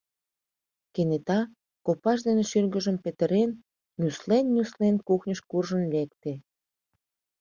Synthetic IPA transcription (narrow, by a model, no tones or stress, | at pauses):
kenet̪ɑ | kopɑʃ̬d̪eneʃylɣə̆ʒəmpet̪əɾen | nʲuslenːʲuslenkuxnʲəʃkurʒənlek̚t̪e